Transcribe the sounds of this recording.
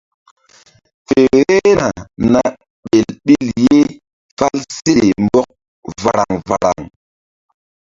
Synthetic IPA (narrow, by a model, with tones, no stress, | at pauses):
fe˨ɾe˦na˨na˦ | ɓe˨lɓi˦lje˦ | fa˦lse˦mbɔ˦k̚ | va˨ɾa˨ŋva˨ɾa̰˨ŋ